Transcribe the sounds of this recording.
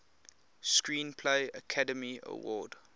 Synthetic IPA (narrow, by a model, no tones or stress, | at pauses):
skɹĩːnpʰleɪəkʰadəmiə̰wɔ̰ːd̥